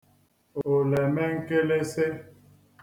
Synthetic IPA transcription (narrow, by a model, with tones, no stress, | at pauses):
o˨lɛ˨mɛ̃˦ŋ̩˦ke˦le˦se˦